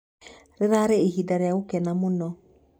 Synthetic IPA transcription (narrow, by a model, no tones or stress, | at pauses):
ɾeɾaɾeeɦidaɾeaɣokɛnamonɔ